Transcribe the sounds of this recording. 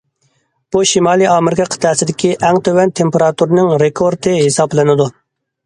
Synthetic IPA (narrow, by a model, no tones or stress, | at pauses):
b̥uʃimɑːlˠijɑmɪɾɪkʰɑqʰə̥t̪ʰɛːsɪd̪ɪkʲiʔɛŋt̪ʰøwɛnt̪ʰempeɾɑt̪uɾnɨŋɾekʰoɾt̪ʰɨɦesɑblɪnɪd̪u